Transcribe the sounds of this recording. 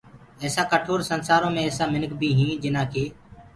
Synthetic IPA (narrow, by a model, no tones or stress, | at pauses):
ɛːsãːkəʈʰoːɾsənsaːɾõːmẽːɛːsãːmɪnəkbʱiːɦĩːd͡ʒɪnãːkeː